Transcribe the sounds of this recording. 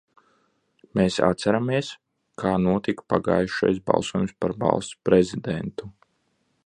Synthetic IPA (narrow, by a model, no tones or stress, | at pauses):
meːsa̰t̪sæɾamiɛs | kʰaːnuɔt̪ikpaɡa̰ːjʃa̰js̬bɑ̰lˠsuɔjumspaɾba̰lˠst̪pɾezid̪ɛnt̪u